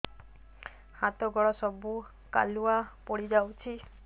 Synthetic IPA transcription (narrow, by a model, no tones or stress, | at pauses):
hat̪ɔɡɔɭɔsɔbu | ka̰luapɔɽid͡ʒawt͡ʃʰi